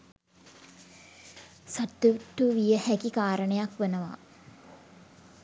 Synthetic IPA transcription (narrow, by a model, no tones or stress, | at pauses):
sat̪ːuʋʈːuʋijəhækikaːɾəɳəjakʋənəʋa̰